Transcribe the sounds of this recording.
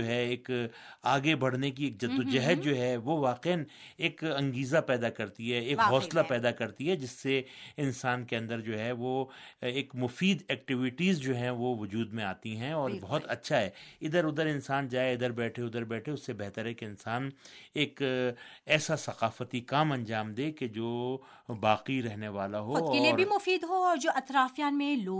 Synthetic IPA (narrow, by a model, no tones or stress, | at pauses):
oːɦɛeːkaːɡebɐɽnek̬ieːk̚d͡ʒɐd̪od͡ʒɛɦəd̪̚d͡ʒoːɦɛʋoʋaːqeən | eːkɐ̃ŋɡiːzapɛːd̪akɐɾt̪iɦɛeːkɦɔːslapɛːd̪akɐɾt̪iɦɛd͡ʒɪsːeɪnsaːnkeɐ̃nd̪əɾd͡ʒoːɦɛʋoeːkmʊfiːd̪ɛːk̚ʈɪʋɪʈiːzd͡ʒoːɦɛ̃ʋoʋʊd͡ʒuːd̪mẽaːt̪iɦɛ̃ɔːɾbɐɦʊt̪ɐtːʃʰaɦɛːɪd̪əɾʊd̪əɾɪnsaːnd͡ʒaːeɪd̪əɾbɛːʈʰeʊd̪əɾbɛːʈʰeʊsːebɛɦt̪əɾɦɛkeɪnsaːneːk | ɛːsasɐqaːfət̪ikaːmɐ̃nd͡ʒaːmd̪eːked͡ʒoː | baːqiɾɛɦneʋaːlaɦoɔeːlieɾbʱimʊfiːd̪ɦoɔːɾd͡ʒoːʔɐt̪ɾaːfjaːnmẽloː